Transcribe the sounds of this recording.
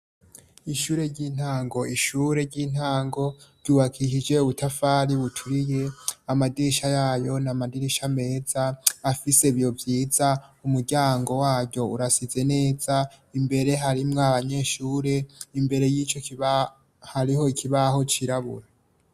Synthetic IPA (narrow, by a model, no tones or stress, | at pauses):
iʃuːɾe̞ɾɟiːn̥haːŋɡo̞iʃuɾe̞ɾɟiːn̥haːŋɡo̞ɾɟuβakʰiʃid͡ʒe̞uβutʰafaːɾiβutʰuɾije̞amadiɾiʃajaːjo̞namadiɾiʃame̞ːzaːfise̞βjo̞vjiːzaumuɾɟaːŋɡo̞waːvɟo̞uɾasize̞ne̞ːza | imbe̞ɾe̞ɦaɾimŋaaβaɲe̞ːʃuːɾe̞imbe̞ɾe̞jiːt͡ʃo | haɾiɦo̞ikʰiβaɦo̞t͡ʃiɾaβṵɾa